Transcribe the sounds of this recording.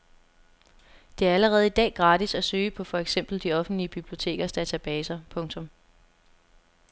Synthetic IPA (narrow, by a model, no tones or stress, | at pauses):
d̥e̝æɐæləʁɛːð̞̩ˠid̥ɛ̰ːɡ̥ʁɑ̈ːd̥isæsøːəpʰɒ̽fɒ̽eɡ̥sem̰b̥l̩d̥iɒ̽fn̩d̥liəb̥ib̥lio̝t͡sʰe̝̰ːɡ̥ɐsd̥æt͡sʰæb̥ɛːsɐpʰɔ̽ŋt͡sʰɔ̽m